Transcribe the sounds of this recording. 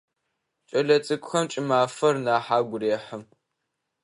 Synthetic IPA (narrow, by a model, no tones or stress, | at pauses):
t͡ʃʼɐɮɐt͡sʼɨkʷʼʊxɐmt͡ʃʼɪmaːfɐrnaːħaːɡʷʊɾeːħɐm